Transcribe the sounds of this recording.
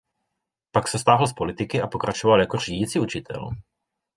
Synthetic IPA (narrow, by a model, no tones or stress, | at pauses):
paksɛst̪aːɦl̩spo̞lɪt̪ɪkɪapo̞kɾat͡ʃovaljakor̝iːɟiːt͡siut͡ʃɪt̪ʰɛ̰l